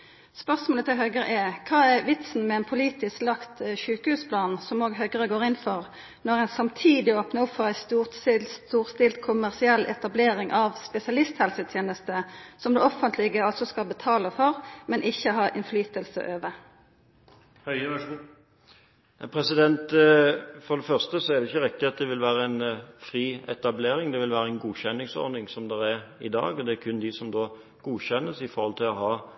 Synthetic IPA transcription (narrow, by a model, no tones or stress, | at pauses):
spœʁsmoːlət̪ʰɪlɦœʏɡəʁə̰ʔɛkʰɑːɛʁʋɪt̪sn̩mɛɛnpʰʊliːt̪ɪsklɑkt̪ʃʉːkəhʉːspʰlɑːnsɔmoːɡɦœʏɡəʁəɡoːʁɪnfɔʁ | nɔʁæɪnsɑmt̪ʰiːd̪ɪoːpnəʊpfɔʁæɪst̪uːʁsɪst̪uːʁst̪ɪlt̪kʰʊmæʁsɪɛlːʔɛ̰t̪ɑbleːʁɪŋʔɑʋspɛsɪɑlɪst̪hɛlsət̪ʰjeːnəst̪əsɔmd̪ɛːɔfənt̪ʰlɪɡəɑlsɔskɑlbət̪ʰɑːləfɔʁmɛnʔɪçːəɦɑːʔɪnflyːt̪əlsə̰ʔøːʋə | h | næpʰɾɛsɪd̪ɛnt̪ | fɔɾd̪ɛfœʁst̪əsɔæɾd̪ɛɪçːəɾɪk̚t̪ɪɑt̪̚d̪ɛʋɪlʋæːɾəænfɾiːɛt̪ɑbleːɾɪŋd̪ɛʋɪlʋæːɾəɛɪnɡuːçɛnːɪŋsɔ̰ɾnɪŋsɔmd̪ɛɾɛɾɪ̰d̪ɑ̰ːɡɔd̪ɛkʰʉnd̪ɪsɔmd̪oː | ɡ̥uːçɛnːəsɪfɔɾhɔlt̪ʰɪlɔɦɑː